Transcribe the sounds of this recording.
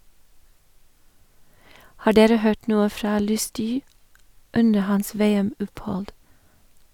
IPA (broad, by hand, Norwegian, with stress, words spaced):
ˈhɑː ˈɖeːɾə ˈhøːʈ ˈnuːə ˈfɾɑː ˈlʉˌstyː ˈʉndə ˈhɑns ˈʋeːɛˌmɔphɔld